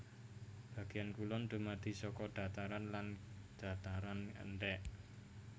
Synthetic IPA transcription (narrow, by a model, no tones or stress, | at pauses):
b̥ä̤ɡ̥e̤jankulɔnd̪̥o̤mad̪̥i̤sɔkɔd̥a̤t̪aɾanland̪̥a̤t̪aɾanə̰nɖɛʔ